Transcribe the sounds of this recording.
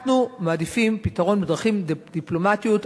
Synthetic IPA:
numaːd̪ifimpitaʁo̞nbedʁaχimdd̪iplo̞matijut

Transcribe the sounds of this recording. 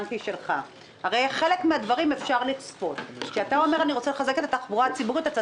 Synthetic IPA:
ntiʃe̞lχa | haʁejχe̞le̞kmead̪vaʁime̞fʃaʁlit͡spo̞t̪ʃeat̪ao̞me̞ʁaniʁo̞t͡sele̞χazeket̪at̪aχbuʁat͡sibuʁit̪at͡sa

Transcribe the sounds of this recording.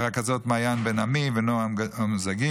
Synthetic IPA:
akazɔtmajanbɛnamivɪnoamzaɡi

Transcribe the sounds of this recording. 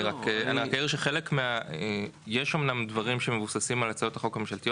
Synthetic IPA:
iʁakea̰niʁakaiʁʃeχe̞lekmeae | jeʃomnamdvaʁimʃemevusasimalat͡sajo̞taχo̞kamemʃalt̪io

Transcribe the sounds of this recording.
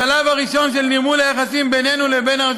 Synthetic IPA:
alavaʁiʃo̞nʃelnimulajaχasimbene̞nulebe̞naʁ

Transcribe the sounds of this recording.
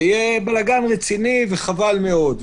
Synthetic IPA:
ijebalaɡanʁet͡siniveχavalmeo̞d̪

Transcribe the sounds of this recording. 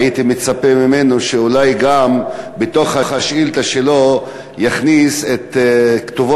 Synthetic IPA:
it̪imet͡sapemimenoʃeulajɡambet̪o̞χhaχhaʃilt̪aʃelo | jaχniset̪kt̪uvo

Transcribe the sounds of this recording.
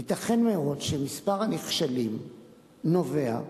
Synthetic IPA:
it̪aχe̞nmeo̞dʃemispaʁaniχʃalim | no̞ve̞a̰

